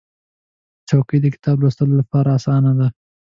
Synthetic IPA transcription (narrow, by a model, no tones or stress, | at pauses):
t͡ʃawkəjd̪əkɪ̥t̪ɑblost̪əlolapɑɾaːsɑnad̪a